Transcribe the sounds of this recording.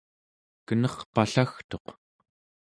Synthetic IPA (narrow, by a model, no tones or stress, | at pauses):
kənʌχpaɬaxt̪o̞q